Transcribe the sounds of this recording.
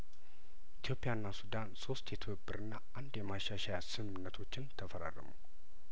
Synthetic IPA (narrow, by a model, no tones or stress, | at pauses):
ʔit̪ʰijo̞pːijaɨnːasud̪anso̞st̪jɛt̪ʰəðɨbːɨɾɨnːaʔand̪jɛmaʃaʃajasɨmɨnːət̪ʰo̞t͡ʃːɪnt̪ʰəfəɾa̰ɾə̰mṵ